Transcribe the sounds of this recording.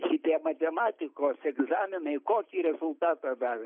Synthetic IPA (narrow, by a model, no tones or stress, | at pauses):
ʃɪt̪ʲiɛmɐt̪ʲɛmaːt̪ʲɪkoːsɛɡzaːmʲɪnɐɪkoːkʲiːɾʲɛzʊlˠt̪aːt̪ɐd̪ɑːʋʲɛ